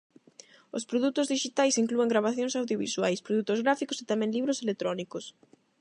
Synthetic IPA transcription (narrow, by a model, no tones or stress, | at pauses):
ospɾoðut̪ozðiʃit̪ajsiŋklueŋɡɾaβaθjoŋsawðjoβḭswajspɾoðut̪ozɣɾafikoset̪amɛ̃ŋliβɾoselet̪ɾɔnikos